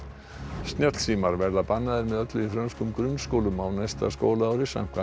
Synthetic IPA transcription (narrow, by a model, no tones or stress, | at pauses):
st̪njɛt̪l̥siːmaɾvɛɾðapanːaðɪɾmɛðœt̪lʏifɾœnskʏmkɾʏnskoːwlʏmawnajst̪a̰sko̰ːwlaaːwɾɪsa̰ŋ̥kva